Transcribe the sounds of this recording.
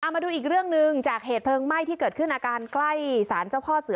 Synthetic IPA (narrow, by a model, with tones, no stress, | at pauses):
ʔa˨˩wma˧duː˧ʔiː˨˩k̚ɾɯ˥˩əŋnɯ˧ŋt͡ɕaː˨˩k̚heː˨˩t̪̚pʰlɤː˧ŋma˥˩jt̪ʰiː˥˩kɤː˨˩t̪̚kʰɯ˥˩nʔaː˧kaː˧nkla˥˩jsaː˩˦nt͡ɕa˥˩wpʰɔː˥˩sɯ˨˩˦